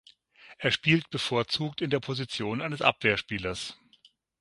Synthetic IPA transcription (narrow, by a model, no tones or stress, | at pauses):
ʔeːɐʃpiːltb̥əfoːɐt͡suːktɪndeːɐpʰozit͡sjoːnaɪnəsʔa̰pv̥eːɐʃpiːlɐs